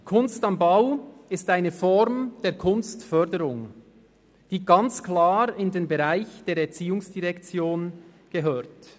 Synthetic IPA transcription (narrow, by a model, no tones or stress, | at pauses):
kʰʊnstɑmbaʊɪstaɪnəfɔɾmd̥eːɐkʰʊnstfœdəɾʊŋ | d̥iːɡɑnt͡sklaːɾɪndeːnbɛʁaɪçd̥eːɾɛɐt͡siːʊŋsd̥iʁɛkt͡sjoːn | ɡ̥əɦøːɾt